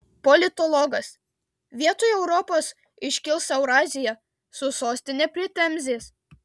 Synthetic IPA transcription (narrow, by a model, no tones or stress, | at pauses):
pɔlʲɪt̪ɔlˠɔɡɐs | ʋʲiɛt̪oːjɛʊɾɔpoːs | ɪʃʲkʲɪlˠsɛʊɾɑːzʲɪjɛ | sʊsoːsʲt̪ʲɪnʲɛpʲɾʲɪt̪ʲɛmʲzʲeːs